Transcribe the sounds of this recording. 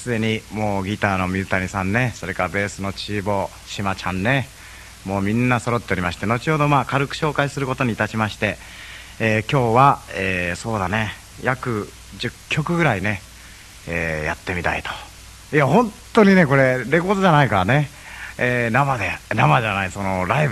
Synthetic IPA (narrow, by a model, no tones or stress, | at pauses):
sɨd̪e̞ɲ̟imo̞ːɡʲit̪aːno̞mʲiɯt̪aɲ̟isãnːe̞so̞ɾe̞kaɾabe̞ːsɨno̞t͡ɕiːbo̞ | ɕimat͡ɕãnːe̞ | mo̞ːmʲĩnːaso̞ɾo̞t̪ːeɾʲimaɕi̥t̪e̞no̞t͡ɕihod̪o̞maːkaɾɯ̟kɯ̟̥ɕo̞ːkaisɨɾɯ̟ko̞t̪o̞ɲ̟iːt̪aɕimaɕi̥t̪e̞ | eːkʲo̞ːβaeːso̞ːd̪ane̞ | jʔakɯ̟ | d͡ʑɨkʲːo̞kɯ̟ɡɯ̟ɾaine̞ | eːja̰t̪ːe̞mʲit̪a̰it̪o̥ | iahõ̞nt̪ːo̞ɲ̟ine̞ko̞ɾe̞ɾe̞ko̞ːd̪oʑanaikaɾane̞ | eːnamad̪enamaʑanaiso̞no̞ɾaib